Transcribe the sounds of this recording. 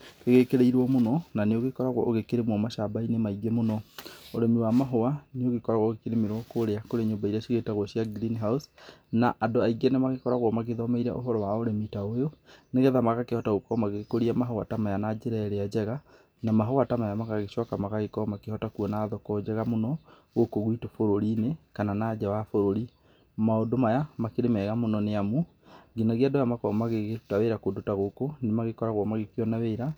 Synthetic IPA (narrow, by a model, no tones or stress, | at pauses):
keɣekeɾeiɾwɔmonɔnaneoɣekɔɾaɣwɔ̰ʔoɣekeɾemɔmaʃabainemaiɡemonɔoɾɛmiwamaɦoaneoɣekɔɾaɣwɔɣekeɾemiɾwɔkoɾeakoɾeɲombaiɾaʃiɣetaɣwɔɕiaɡɾinɦausnaʔadoaiɡɛnemaɣekɔɾaɣwɔmaɣeðɔmeiɾɛ̰ʔo̰ɦɔɾɔwaoɾemitaojoneɣɛðamaɣakehɔtaɣokɔmaɣekoɾiamaɦoatamajanad͡ʑeɾɛɾead͡ʑɛɣa | namaɦɔwatamajamaɣaɣeɕɔkamaɣaɣekɔmakehɔtakuɔnaːðɔkɔd͡ʒɛɣamonɔ | ɣokoɣwitofoɾoɾiːnekananaːd͡ʒɛwafoɾoɾi | maodomajamakeɾemɛɣamonɔneamu | ɡinaɣiadojamakɔmaɣeɣeu̥taweɾakodotaɣokonemaɣekɔɾaɣwɔmaɣekiɔnaweiɾa